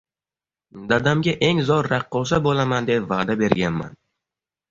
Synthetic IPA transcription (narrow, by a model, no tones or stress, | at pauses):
d̪ad̪amɡʲaʔe̞ŋzɒɾːaqːɒʃ̬abolamand̪e̞pvaːd̪abe̞ɾɡʲanma̰n